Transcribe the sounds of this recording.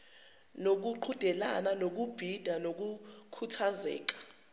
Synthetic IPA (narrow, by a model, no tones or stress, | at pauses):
nok̬uǃʰud̥ʱɛla̰nanok̬ub̥ʱid̥ʱanok̬ukʰutʰazɛ̰ːk̬ḁ